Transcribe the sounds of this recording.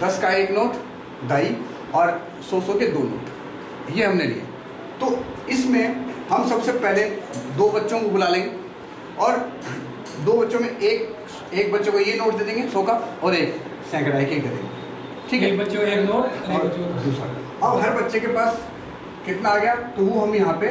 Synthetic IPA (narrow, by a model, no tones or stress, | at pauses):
d̪ɐskaeːknoːʈ | d̪aːi | ɔːɾ | sosoked̪oːno̰ːʈ | jeɦɐmnelḭḛ | t̪oː | ɪsmẽhɐmsɐbsepɛɦled̪oːbɐtːʃõkobʊlaːlẽːŋɡe | ɔːɾ | d̪oːbɐtːʃõmẽeːk̚ | eːk̚bɐtːʃekojenoːʈ̚d̪eːd̪ẽːŋɡesoːkaɔːɾeːk | sɛ̃ːkəɽaːikeikɐɾḛːŋɡe | ʈʰiːkːkbɐtːʃõeːknoːʈɔːɾd̪uːsa̰ | ɐbɦɐɾbɐtːʃekepaːs | kɪt̪naːɡɐjat̪oʋoɦɐmjɐɦãːpe